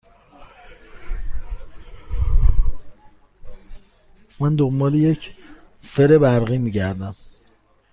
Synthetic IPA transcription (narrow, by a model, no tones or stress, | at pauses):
mænd̪ombɒːlejecʰ | feɾebæɾɣiːmiɟæɾd̪æm